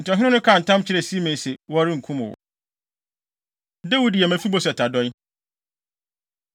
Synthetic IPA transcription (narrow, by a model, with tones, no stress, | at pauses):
n̩tɪ˨ɔ˨ɦɪ̃˦ʊ̃˦nʊ̃˦kʰa˦˨n̩˨tʰã˦mt͡ɕʰɪ˦ɾɛ˨si˦mẽ˨sɛ˨wɔ˦ɾɪ̃˦ŋ̩˨kʰũ˦mʊ̃˨wɔ̰˨ | de˦wu˨˦di˨jɛ˨mæ̃˨fi˦bo˦sɛ˨tʰa˨dɔ˦